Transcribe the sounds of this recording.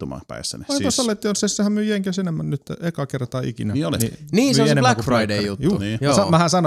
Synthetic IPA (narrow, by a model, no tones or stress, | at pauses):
umɑ̰pæ̰isːæ̰neɑikɑsɑlːet̪ːionsessehæmmyøjeŋkæsenemːænnyt̪ːʔekɑkert̪ɑːḭkinæmiolininiːseoeneblækfrɑidejut̪juːniːjoːsɑmæhæsɑno